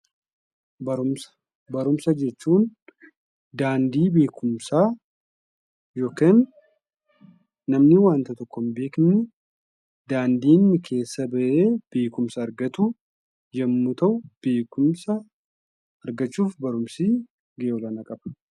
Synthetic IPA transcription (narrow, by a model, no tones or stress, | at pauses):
bɐɾʊmsɐ̥ | bɐɾʊmsɐd͡ʒɛt͡ʃːuːn | d̪aːnd̪iːbe̞ːkʰʊmsaː | jo̞ːkeːn | ɐmnɪwaːnt̪ɐt̪ɔkːɔmbeːkɪnːɪ | d̪aːnd̪iːnːɪkʰe̞ːsːɐbɐʔeːb̥e̞ːkʊmsɐːɾɡɐt̪ʊ | d͡ʒɐmːʊt̪ɐʔʊb̥e̞ːkʊmsɐ | ɐɾɡɐt͡ʃːuːfbɐɾʊmsiː | ɡʔeːwɔlaːnɐkʼɐb̥ɐ̥